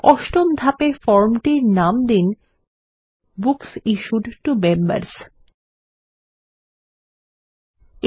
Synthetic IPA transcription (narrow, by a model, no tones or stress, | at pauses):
ɔʃʈomd̪ʱapefɔɾmʈiɾnamd̪in | buksiʃuɖʈumemba̰ɾs